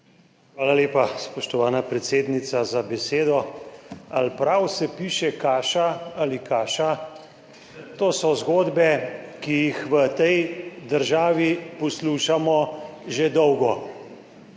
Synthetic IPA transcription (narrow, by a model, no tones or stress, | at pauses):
xʋaːlaleːpaspɔʃt̪ɔʋaːnapɾɛt̪seːd̪nit̪sazabɛseːd̪ɔ | alpɾawsɛpiːʃɛkaːʃaalikaːʃa | t̪oːsɔzɡoːd̪bɛkijixʋət̪ɛjd̪əɾʒaːʋipɔsluːʃamɔʒed̪ɔwɡɔ